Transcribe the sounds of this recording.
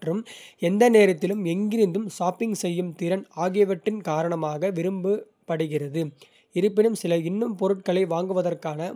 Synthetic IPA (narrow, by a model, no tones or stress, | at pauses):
ʈrɯmɛnd̪ɐneːɾɐt̪ːɪlɯmɛŋɡɪɾɪnd̪ɯmsaːpːɪŋɡsɛjːɯmt̪iɾɐnaːɣɪjɐʋɐʈːɪnkaːɾɐɳɐmaːɣɐʋɪɾɯmbɯ | pɐɽɯɣɪrɐðɯ | ɪɾɯpːɪnɯmsɪlɐɪnːɯmpɔɾɯʈ̚kɐɭɐɪʋaːŋɡɯʋɐðɐrkaːnɐ